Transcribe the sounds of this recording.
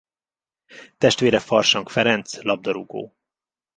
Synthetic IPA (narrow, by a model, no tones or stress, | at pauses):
t̪ɛʃt̪ʋeːɾɛfɒrʃɒŋkfɛɾɛnt̪slɒb̚d̪ɒɾuɡo̰ː